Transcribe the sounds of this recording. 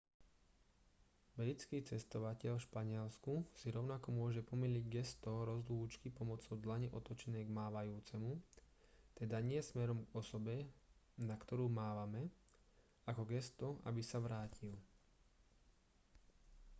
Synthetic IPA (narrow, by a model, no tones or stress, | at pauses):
blit͡skiːt͡sɛst̪ɔʋacɛʎfʃpaɲɪɛlskusiɾɔʊnakɔmʊɔʒɛpɔmiliɟɡɛst̪ɔɾɔzluːt͡ʃkipɔmɔt͡sɔʊd̪laɲɛʔɔt̪ɔt͡ʃɛnɛːɡmaːʋajuːt͡sɛmu | t̪ɛd̪aɲɪɛɛsmɛɾɔmɡɔsɔbɛ | nakt̪ɔɾuːmaːʋamɛ | akɔɡɛst̪ɔʔa̰bisaʋɾaːcil